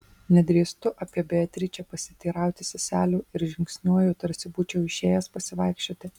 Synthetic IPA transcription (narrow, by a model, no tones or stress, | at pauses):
nʲɛd̪ʲɾʲiːst̪ʊʔɐpʲiɛbʲeɛt̪ʲɾʲit͡ʃʲɛpɐsʲɪt̪ʲiːɾɑˑʊt̪ʲɪsʲɪsʲæːlʲuːɪɾʒʲɪŋksʲnʲuɔjoːt̪ɐɾʲsʲɪbuːt͡ʃʲɛʊɪʃʲeːjɛspɐsʲɪʋɐˑɪkʃʲt͡ʃʲoːt̪ʲɪ